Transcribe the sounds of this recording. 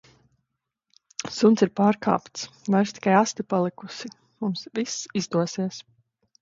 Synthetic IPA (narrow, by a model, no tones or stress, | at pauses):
sunt̪siɾpaːɾka̰ːpt̪svajɾʃt̪i̥kajast̪ipalˠikusi | mumsvisizd̪uɔsiɛs